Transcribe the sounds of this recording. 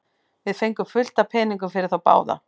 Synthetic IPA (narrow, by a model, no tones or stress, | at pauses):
vɪðfejŋkʏmfʏl̥t̪apʰɛːniŋk̬ʏmfɪɾɪɾ̥θawpa̰ːwða̰